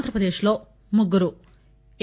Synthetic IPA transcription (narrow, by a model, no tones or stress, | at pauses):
nd̪ɾɐpɾɐd̪eːʃlo̞ː | muɡuɾu